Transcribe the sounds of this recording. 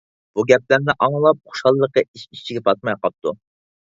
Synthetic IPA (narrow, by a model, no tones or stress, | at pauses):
b̥uɡʲɛp̚læɾnɪʔɑŋlˠɑp̚χʊ̥ʃɑlˠːəqəiʃit͡ʃʰiɡʲɛp̪ʰɑt̪̚mɑjqɑp̚t̪ʰu